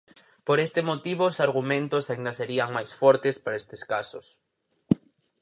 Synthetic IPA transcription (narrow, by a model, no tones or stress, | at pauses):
poɾest̪emot̪iβosaɾɣ̞umẽnt̪osaind̪aseɾiaŋmajsfɔɾt̪espaɾaest̪eskasos